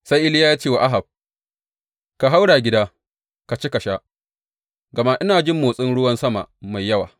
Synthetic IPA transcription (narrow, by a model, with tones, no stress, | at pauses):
sa˦jʔɪ˦lɪ˦jaː˦jaː˦t͡ʃeː˦˨wa˨ʔa˦ɦa˨b̚ | ka˨ɦa˦wɽaː˨ɡʲɪ˦daː˦ | ka˨t͡ʃe˦ka˨ʃaː˦ | ɡɐ˨ma˦ʔɪ˦naː˨d͡ʒɪ˦mːoː˨sʼɪ˦nɽʊ˦wɐ˦nsɐ˦ma̰˨ma˨jːɐ˦wa̰ː˨